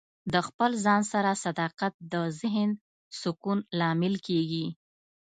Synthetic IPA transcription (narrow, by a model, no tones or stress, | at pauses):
d̪əxpəlzɑnsaɾasad̪ɑqat̪̚d̪əzɪɦɪn | sʊkunlɑmɪlkeɡi